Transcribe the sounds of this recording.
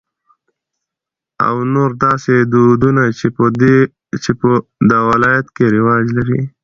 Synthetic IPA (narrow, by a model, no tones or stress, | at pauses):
a̰wnoɾd̪ɑsed̪ud̪una | t͡ʃepəd̪awɪlɑjat̪keɾɪwɑd͡ʒlaɾḭ